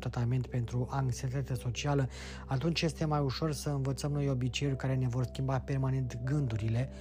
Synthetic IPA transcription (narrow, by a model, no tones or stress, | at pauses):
t̪ɾat̪ame̞nt̪̚pe̞nt̪ɾuʔaŋksiet̪at̪eso̞t͡ʃialə | at̪unt͡ʃje̞st̪e̞majuʃo̞rsəɨnvət̪səmno̞jo̞bit͡ʃe̞julʲkaɾe̞ne̞vo̞rskʲimbape̞rmane̞nt̪ɡɨnd̪uɾile̞